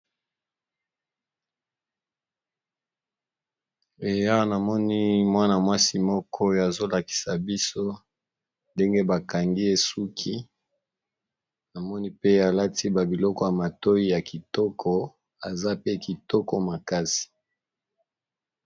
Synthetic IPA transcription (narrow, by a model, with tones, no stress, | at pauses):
e˨ja˦wa˦na˨mɔ˦ni˦mwa˦na˨mwa˦si˦mɔ˦kʰɔ˦ja˨zo˦la˨ki̥˨sa˨bi˦so˦ | nde˦ŋɡe˦ba˨ka˨ŋɡi˦e˨su˦kʰi˦ | na˨mɔ˦ni˦pe˦a˨la˦ti˦ba˨bi˨lɔ˦kɔ˦ja˨ma˨to˦i˦ja˨ki˨tɔ˦kʰɔ˦ | a˨za˦pe˦ki˨tɔ˦kɔ˦ma˨ka˦si̥˨